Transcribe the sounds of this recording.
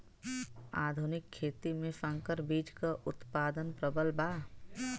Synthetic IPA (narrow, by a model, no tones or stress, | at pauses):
aːd̪ʱunɪkʰːeːt̪imẽsə̃ŋkəɾbiːd͡ʒkaʔʊt̪paːd̪ənpɾəbəlbaː